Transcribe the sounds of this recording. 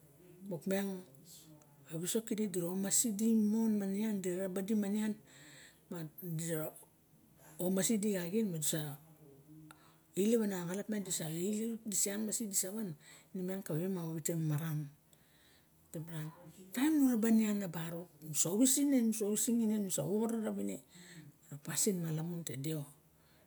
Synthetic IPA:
mokmeŋ | aβiso̞kididiɾomasidimo̞nmaniandiɾɾabadimanian | madi | omasidiɡaɡinmadisa | ileβanaɡalatmandisaildisianmasidisaβannimiankaββemaoβitemmaɾam | tebɾantajmnuɾabanianːabaɾonusaoβisinenusoβisiŋinenusaoɾaɾaβineɾapasinmalamuntedeo

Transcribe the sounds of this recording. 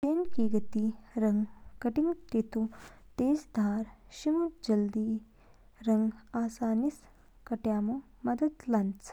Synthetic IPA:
t͡ʃeːnkiɡɐt̪iɾɐŋɡkɐʈiŋt̪it̪ut̪eːsd̪ʱaːɾʃimutd͡ʒɐld̪i | ɾɐŋɡaːsaːnis | kɐʈjaːmu | mɐd̪ɐd̪lɐnt͡s

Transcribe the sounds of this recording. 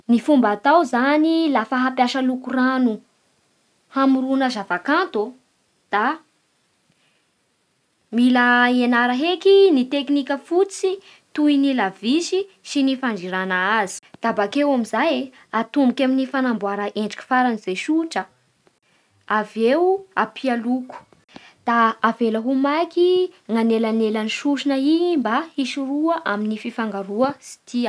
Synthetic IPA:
nifumbat̪awzanilafaɦapjaʃəlukuranu | hamuɾunəzavakant̪o | d̪̥a | miləenaɾəɦekinit̪eknikʲəfut͡si | t̪uinilavisisinifaɳɖ͡ʐiɾanaazi̥d̪̥abakewamizaj | at̪umikʲaminifanambuaɾaʔeɳɖ͡ʐḁkʲi̥faɾanizeʃuʈ͡ʂə | avewapʰialuku̥ | d̪̥aːveləɦumakiŋanelanelaniʃuʃinəimbaiʃuruəʔaminififaŋɡaɾuəsi̥t̪ʰi

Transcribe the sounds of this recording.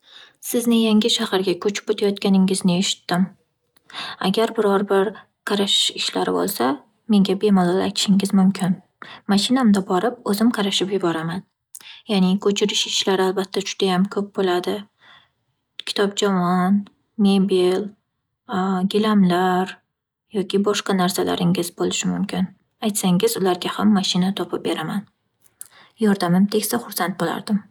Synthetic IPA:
sɪznɪjaŋʲɪʃahaɾɡʲakʰɵt͡ʃʰɪ̥pot̪ʰajɒt̪kʲanɪŋɪznɪeʃɪ̥t̪ːɪm | a̰ɡʲaɾbɪɾɒɾbɪɾ | qʰɑɾaʃɪʃlaɾɪ̰bo̰lˠsa | me̞ŋɡʲabe̞mɒlˠɒla̰jt̪ʰɪ̥ʃɪŋɪzmʊmkʲʰɪn | maʃɪnamd̪abɒɾɪp̚ɵzɪmqʰɑɾaʃɪpjʊbɒɾaman | janɪkʰɵt͡ʃʰɪɾɪʃɪ̥ʃlaɾɪalbat̪ʰːad͡ʒʊd̪̥ajamkʰɵp̚bolad̪ɪ | kʲʰɪ̥t̪ʰɒp̚d͡ʒamɒn | mebil | ɡʲɪlamlaɾ | jɒkʲʰɪbɒʃqɑnaɾsala̰ɾɪŋɪzbolɪʃɪmʊmkʲʰɪn | ajt̪saŋɪzʊlaɾɡʲahamːaʃɪnat̪ʰɒpʰɪp̚be̞ɾaman | jɒɾd̪amɪmt̪ʰekʲsaχʊɾsant̪̚bola̰ɾd̪̥ɪm

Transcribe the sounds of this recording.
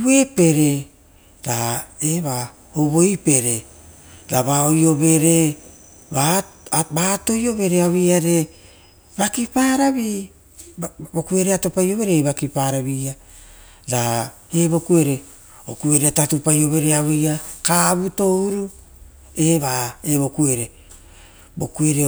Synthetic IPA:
we̞pe̞ɾe̞ | laeβa | oβo̞ipe̞ɾe | laβaojo̞βe̞ɾe̞ | babato̞jo̞βe̞ɾe̞awejaɾe̞ | bakipaːɾaβi | bo̞kue̞ɾeato̞pajo̞βe̞ɾeβakipaɾaβia | lahe̞βo̞kue̞ɾe̞ | okue̞ɾeatatupajo̞βe̞ɾe̞awejakaβuto̞uɾu | e̞βaeβo̞kue̞ɾe | bo̞kue̞ɾe

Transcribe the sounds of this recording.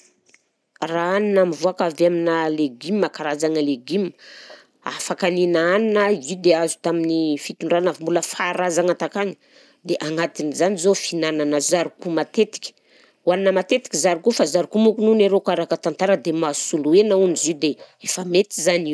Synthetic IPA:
raaninamivuakaveaminaleɡimːakaɾazaŋəleɡim | a̰fakaninaaninəid̪eazu̥t̪aminifit̪uɳɖ͡ʐanavimbuləfaɾazaŋat̪akaŋə̥ | d̪eʔaŋat̪inizanizofinananəzaɾikumat̪et̪i̥kʲə̥ | waninəmat̪et̪i̥kʲizaɾikufazaɾikumukununeɾokaɾakət̪ant̪aɾəd̪emasuluenaunzid̪eefəmet̪izaniu

